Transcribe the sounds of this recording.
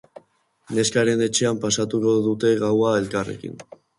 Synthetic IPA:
ne̞skaɾe̞ne̞t͡ʃe̞ampasat̪uko̞ðut̪e̞ɣawae̞lkare̞̰kḭn

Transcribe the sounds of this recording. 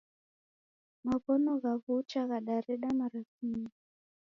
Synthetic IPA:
maβɔnɔɣaβut͡ʃaɣaɗaɾɛɗamaɾasimi

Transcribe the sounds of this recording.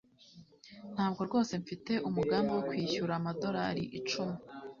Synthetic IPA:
n̥haːb̚ɡo̞ɾɡo̞ːse̞ɱfite̞ʔumuɡaːmbewokwiːçuɾaːmado̞ɾa̰ɾiʔit͡ʃume

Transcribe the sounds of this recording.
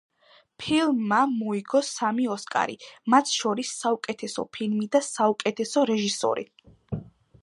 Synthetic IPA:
pʰilˠmːamɔiɡɔsamiɔskʼa̰ɾḭmat̪ʰʃɔɾisːaukʼɛt̪ʰɛsɔ̰pʰilˠmid̪asaukʼɛt̪ʰɛsɔɾɛʒisɔ̰ɾḭ

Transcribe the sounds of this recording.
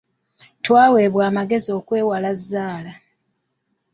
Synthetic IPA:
twaːwe̞ːβwaːmaɡe̞zio̞ːkwe̞ːwalazːaːla

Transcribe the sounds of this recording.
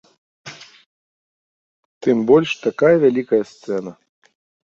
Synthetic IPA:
t̪ɨmbɔlʲʂt̪akajɐvʲalʲikɐjɐst̪sɛnɐ

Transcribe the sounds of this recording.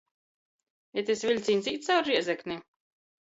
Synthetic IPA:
ɛt̪esvʲilʲt̪siːnsʲiːt̪sawɾɾiɛzɛknʲi

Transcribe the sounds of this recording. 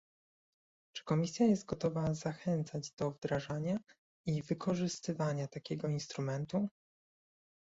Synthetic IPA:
t͡ʂɘ̥kɔmʲisʲjajɛst̪̚ɡɔt̪ɔvazaxɛnt̪sad͡ʑd̪ɔvd̪ɾaʐaɲa | ivɘkʰɔʐɘst̪ɘvaɲat̪akʲɛɡɔinst̪ɾumɛnt̪u

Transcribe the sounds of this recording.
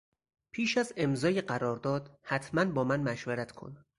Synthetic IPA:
pʰiːʃæze̞mzɒːjeɢæɾɒːɾd̪ɒːd̪̥hæt̪ʰmænbɒːmænmæʃvæɾæt̪ʰkʰo̰n

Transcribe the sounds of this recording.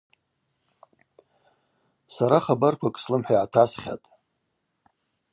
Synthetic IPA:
saɾaχabarkʷʰakʼslɨmħʷᶣajʕatʰasχʲa̰tʼ

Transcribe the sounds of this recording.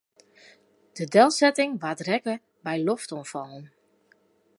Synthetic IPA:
d̥ədɛlˠsɛtɪŋʋatrɛkə | bɛjloftɔnfɔlˠən

